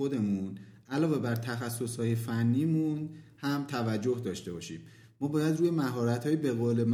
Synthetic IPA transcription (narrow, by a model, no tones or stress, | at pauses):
od̪e̞mun | ʔælɒːve̞bæɾt̪ʰæxæsːo̞shɒːje̞fænːiːmunhæmt̪ʰævæd͡ʒːo̞hd̪ɒːʃt̪e̞bɒːʃiːmː | ɒːbɒːjæd̪ruːje̞mæɦɒːɾæt̪hɒːjebe̞ɣoːlem